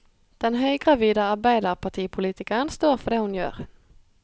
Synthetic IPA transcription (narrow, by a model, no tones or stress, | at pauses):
d̪̥ɛnɦœjɡɾaviːd̪aaɾbæɪd̪aɾpʰaʈʰiːpʰʊliːt̪ɪkəənst̪oːɾfœɖɛhʊnjœ̰ːɾ